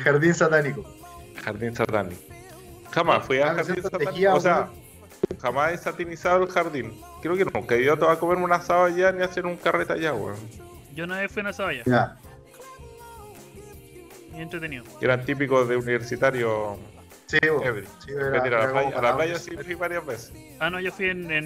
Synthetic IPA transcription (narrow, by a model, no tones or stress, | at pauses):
xaɾðinsat̪anikoxaɾðinsat̪anḭko | xamasfwialaɾsinssat̪aias̬ea | xamasesat̪inisaðelxaɾðin | kɾeokenuŋkaiot̪oβakomeɾmunasaβaʝaniaseɾuŋkaret̪a̰ʝawḛ | ɟ͡ʝonajefwiunasawajaa | ient̪ɾet̪enioeɾant̪ip̬ikoðeuniβeɾsit̪aɾjo | sieβɾisieɾeiɾalaplajaalalajasifiβaɾjazβese̥ | anoʝofwienen